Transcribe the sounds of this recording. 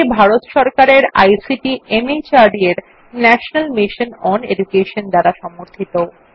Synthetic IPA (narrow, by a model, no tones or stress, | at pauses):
bʱaɾot̪ʃɔɾkaɾeɾa̰jsiʈiemet͡ɕaɾɖieɾ | nɛʃonalmiʃonɔnḛd͡ʑukeʃond̪aɾaʃɔmoɾt̪ʰit̪o